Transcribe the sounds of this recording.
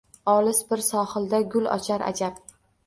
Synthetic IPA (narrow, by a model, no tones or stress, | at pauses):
ɒlɪsbɪɾsɒχɨlˠd̪aɡʲʊlɒ̰t͡ʃʰaɾʔa̰d͡ʒap